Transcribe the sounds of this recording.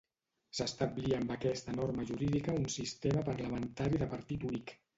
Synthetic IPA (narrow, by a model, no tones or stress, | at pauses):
səst̪əbliəːmbəkɛst̪ənoɾməʒuɾiðikəunsist̪eməpəɾləmənt̪aɾiðəpəɾt̪it̪unik